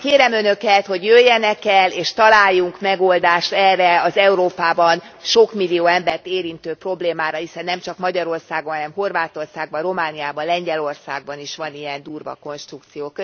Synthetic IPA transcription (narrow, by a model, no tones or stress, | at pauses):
keːɾɛmønø̞kɛt̪ho̞ɟjøːjːɛnɛkɛlːeːʃt̪ɒlaːjːuŋkmɛɡo̞ld̪aːʃt̪ɛrːɛɒzɛuɾoːpaːbɒnʃo̞kmilijoːɛmbɛrt̪eːɾint̪øːpro̞bleːmaːɾɒhisɛnːɛmt͡ʃɒkmɒɟɒɾo̞rsaːɡonhɒnɛmho̞rvaːt̪o̞rsaːɡ̚bɒro̞maːnijaːbɒnlɛɲɟɛlo̞rsa̰ːɡ̚bɒniʃʋɒnijɛnd̪uːrvɒ̰ko̞nʃt̪ɾukt̪sijoːkø